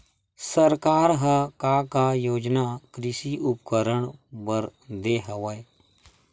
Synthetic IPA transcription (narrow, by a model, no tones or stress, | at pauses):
səɾkaːɾɦəkaːkajoːd͡ʒnaːkɾɪsiːʔʊpkəɾəɳbəɾd̪eːɦəʋəe